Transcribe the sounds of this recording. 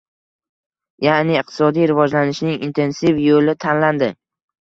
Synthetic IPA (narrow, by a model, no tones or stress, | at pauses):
janɪːq̚t̪ʰɪ̥sɒd̪ijɾɪvɒd͡ʒlanɪʃnɪŋḭnt̪ʰe̞nsifjolɪt̪ʰanland̪ɪ